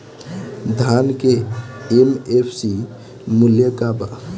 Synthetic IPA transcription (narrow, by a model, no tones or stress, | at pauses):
d̪ʱankeemepʰsi | muljəkaba